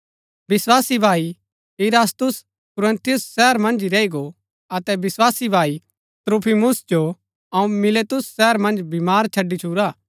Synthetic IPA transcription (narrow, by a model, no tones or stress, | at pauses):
bɪswaːsibʱaːi | ɪɾaːst̪ʊs | kʊɾɐ̃nt̪ɪjʊsːɛːəɾmɐ̃nd͡ʒiɾɐiɡo | ɐt̪ɛbɪswaːsibʱaːi | t̪ɾoːpʰimʊsd͡ʒo | ɐũmɪleːt̪ʊsːɛːəɾmɐ̃nd͡ʒbimaːɾt͡ʃʰɐɖːit͡ʃʰuːɾaː